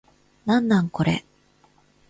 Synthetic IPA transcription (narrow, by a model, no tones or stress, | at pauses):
nãnːãŋko̞ɾḛ